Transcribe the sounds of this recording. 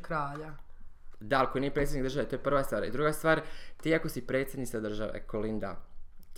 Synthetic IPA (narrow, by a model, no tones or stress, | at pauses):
kɾaːʎa | d̪aalˠko̞inijepɾet̪sʲjenikd̪ɾ̩rʒaʋait̪ojepr̩ʋast̪ʋaːɾḭd̪ɾuːɡast̪ʋaːɾt̪iːako̞sipɾe̞ːt̪sʲjed̪niad̪r̩ʒaʋḛkolind̪a̰